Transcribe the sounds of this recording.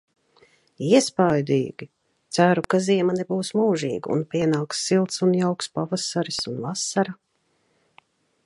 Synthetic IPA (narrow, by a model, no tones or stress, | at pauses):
iɛspajd̪ḭːɡʲi | t̪sæɾukaziɛmanɛbuːsmuːʒḭːɡṵnpʲiɛnaːksːilˠt̪sunjawkspavasaɾisunvasaɾa